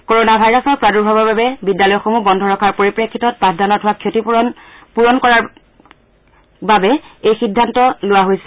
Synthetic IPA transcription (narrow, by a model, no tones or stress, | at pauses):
koɹonabʱajɹɔsɔɹpɹaduɹbʱabababɛbidjalɔjɔxomubɔndʱɔɹɔkʰaɹpoɹipɹekʰːitɔt̚padʱanɔtɦʊwakʰjotipuɹɔnkɔɹaɹ | babɛejxidʱːantɔlʊwaɦojsɛ